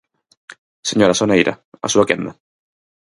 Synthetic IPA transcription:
seɲoɾasonaiɾʔa̰a̰suakend̪a

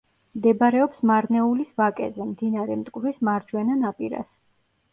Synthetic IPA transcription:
md̪ɛbaɾɛɔpsmaɾnɛulisvakʼɛ̰zɛmd̪inaɾɛmt̪ʼkʼvɾismaɾd͡ʒwɛnanapʼiɾa̰s

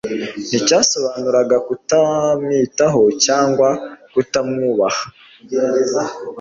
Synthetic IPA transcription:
n̥icaːso̞βaːnuɾaɡakutamŋiːtaɦo̞caːŋɡwakutamŋuːβahḁ

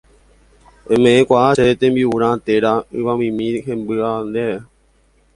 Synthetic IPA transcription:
ẽmẽẽkʷaʔaseet̪ẽmbiuɾãt̪eɾaɨʋamĩmĩɦẽmbɨand̪ee

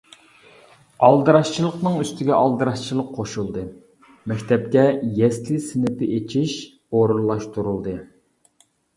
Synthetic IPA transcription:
ɑlˠd̪ɨɾɑʃt͡ʃʰilˠəqnɨŋyst̪ʰɪɡʲɛʔɑlˠd̪ɨɾɑʃt͡ʃʰilˠəqʰːoʃulˠd̪ɨ | mɛkʲt̪ʰɛp̚kʲɛjɛslɪsɪnɪpʰɪʔet͡ʃʰiʃ | oɾunlˠːɑʃt̪uɾulˠd̪ɨ

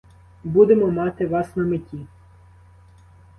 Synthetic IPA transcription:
bud̪emɔmɑt̪ɪʋɑsnɐmɪtʲi

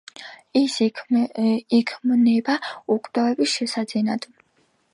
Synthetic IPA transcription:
is | ikʰmnɛbaukʼvd̪avɛbisʃɛsad̪zɛnad̪̥

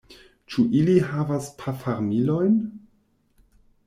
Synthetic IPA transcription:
t͡ʃuʔiliɦavaspʰafaɾmilo̞jn

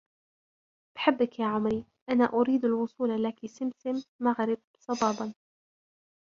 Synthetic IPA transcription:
b̥ħɪbːɪkjaːʕʊmɾi | ʔanaʔʊɾiːd̪alwʊsˤuːllakisɪmsɪmːaɣɾɪb̚sˤɑbɑːbɑn

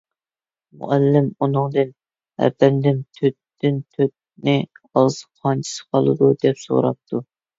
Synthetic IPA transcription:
mṵʔælːɪmunɨŋd̪ɨn | æ̰bɛnd̪ɪnt̪ʰøt̪ː | ɪnt̪ʰøt̪̚nɪ | ɑz̥qʰɑnt͡ʃʰi̥sɨ̥qʰɑlˠɨ̰d̪ud̪ɛpso̰ɾɑ̰p̚t̪ʰu

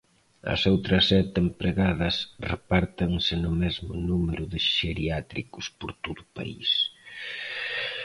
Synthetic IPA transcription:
ɐ̰sowt̪ɾɐsɛt̪empɾeɣaðɐsrepaɾt̪ɐŋsɪnʊmɛzmʊnumeɾʊðɪʃeɾiat̪ɾikʊspʊɾt̪oðʊpa̰ḭs

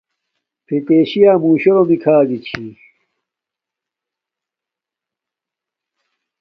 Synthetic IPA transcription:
pʰet̪eːɕijaːmuːɕoɾomikʰaːɡit͡ɕʰi

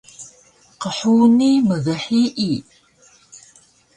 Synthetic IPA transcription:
qəħuːniməɣəħiʔi

